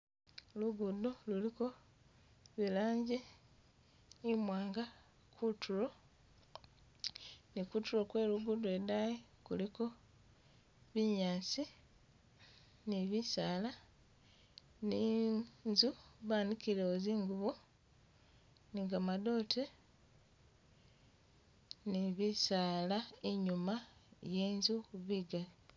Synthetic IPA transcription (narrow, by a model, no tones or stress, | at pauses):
luɡudoluliko̞ | βilaːɲɟe | imwaːŋɡa | kʰutʰuɾo̞ | nikutulo̞kwe̞luɡudoedaje | kṵliko̞ | βiɲaːt͡si | niβisaːla | ninzuβaːnikiɾeoziːŋɡuβo | niŋɡamado̞ːtʰe | niβisaːlaeɲumajeːnzuβiɡali